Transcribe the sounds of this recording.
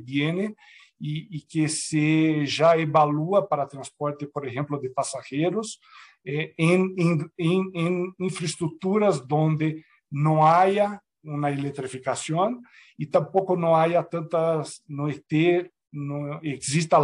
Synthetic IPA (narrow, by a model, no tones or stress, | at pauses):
bjene | iːkeseʒaeβaluapaɾat̪ɾãnspoɾt̪epoɾexẽmplod̪epasaxeɾos | ɛẽnẽeŋẽŋĩɱfɾest̪ɾuk̚t̪uɾɐzd̪õnd̪e | nõajɐ | ũnaelet̪ɾifikasjõn | it̪ãmpokonõajat̪ãnt̪asnõet̪e | nõeksist̪a